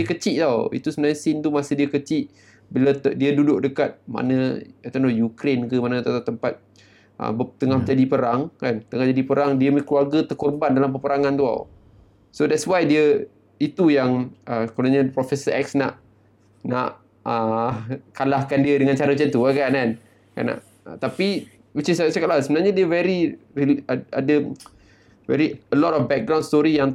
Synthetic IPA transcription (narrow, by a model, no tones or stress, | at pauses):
əkət͡ʃiʔt̪awḭt̪usəmənaɲəsint̪umasədiəkət͡ʃiʔ | bəlat̪diədudʊʔdəkat̪̚ma̰nə̃at̪anojukɾenkəmanət̪at̪at̪əmpat̪̚ | ʔə̰bət̪əŋahd͡ʒadipəɾaŋkant̪əŋahd͡ʒadipəɾaŋdiəmkluarɡət̪ərkɔrbandalampəpəɾaŋãnt̪ua̰w | sodɛt̪swajdiə | it̪ujaŋʔəkənaɲãpɾɔfɛsəʔɛksna̰ʔ | naʔ | ə | kalahkandiədəŋãnt͡ʃaɾəət͡ʃənt̪uakanan | ka̰na̰ʔ | ət̪api | wit͡ʃissɛkaʔlasəbənarɲadiəvɛɾi | ia̰də | vɛ̰ɾiəlɔtɔfbɛk̚ɡɾawnst̪ɔɾijaŋ